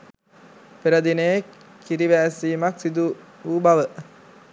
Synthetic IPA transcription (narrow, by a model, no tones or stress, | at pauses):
peɾəd̪ine | kiɾiʋæːsiːmaksid̪uubaʋə